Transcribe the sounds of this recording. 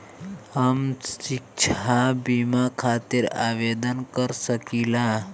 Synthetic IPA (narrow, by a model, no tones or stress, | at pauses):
həmsik̚t͡ʃʰabimakʰat̪iɾaʋed̪ənkəɾsəkila